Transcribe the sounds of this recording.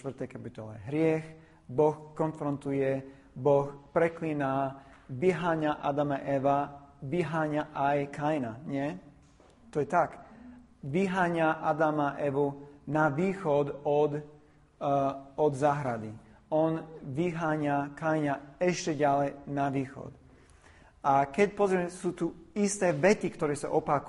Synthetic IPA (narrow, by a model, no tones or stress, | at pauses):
t̪ʋr̩t̪ɛjkapit̪ɔlɛ̰ɦɾɪɛx | bɔxkɔnfɾɔnt̪ujɛ | bɔxpɾɛkliːna | ʋiɦaːɲaʔa̰d̪amaʔɛʋaʋiɦaːɲaʔajkʰajnaɲɛ | t̪ɔjɛt̪ak | ʋiɦaːɲaʔad̪amaʔɛʋunaʋiːxɔd̪ɔd̪ | ɔd̪zaːɦɾad̪i | ɔnʋiɦaːɲakajɲaɛʃcɛɟalɛjnaʋiːxɔ̰t̪ | akɛc̚pɔzɾiɛmɛsuːt̪uist̪ɛːʋɛt͡sikt̪ɔɾɛːsa̰ʔɔpak